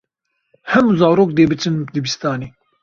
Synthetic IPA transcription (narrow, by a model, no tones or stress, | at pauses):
hɛmuzaːɾoːk̚d̪eːbɨt͡ʃʰɨnd̪ɨbist̪ɑːneː